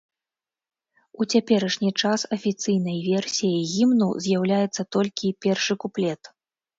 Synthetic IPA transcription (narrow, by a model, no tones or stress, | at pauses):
ut͡sʲapʲɛɾɐʂnʲit͡ʂasɐfʲit̪sɨjnɐjvʲɛrsʲijɐjɣʲimnṵzʲjawlʲajɛt̪sːɐt̪ɔlʲkʲipʲɛrʂɨkuplʲɛt̪